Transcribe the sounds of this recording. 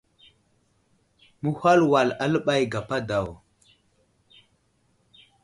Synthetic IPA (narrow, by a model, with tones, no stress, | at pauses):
mu˦ha˦lwa˨la˦lə˦ɓa˦jɡa˨pa˦da˨w